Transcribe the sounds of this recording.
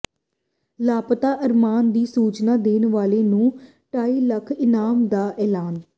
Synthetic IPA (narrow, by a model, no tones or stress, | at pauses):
laːpt̪aːʔəɾmaːnd̪iːsuːt͡ʃnaːd̪eːnʋaːleːnũː | ʈaːiːləkʰɪnaːmd̪aːʔɛːlaːn